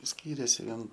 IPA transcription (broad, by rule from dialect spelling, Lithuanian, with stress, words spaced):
ˈsʲkʲiːrʲeːsʲɪ ˈʋʲiɛn